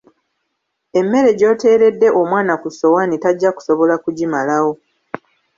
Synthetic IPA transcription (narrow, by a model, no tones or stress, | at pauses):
e̞mːe̞ɾe̞ɟo̞ːte̞ːɾe̞dːe̞ʔo̞mwaːnakuso̞wanitaɟːaku̥so̞βo̞lakuɟimalawo̞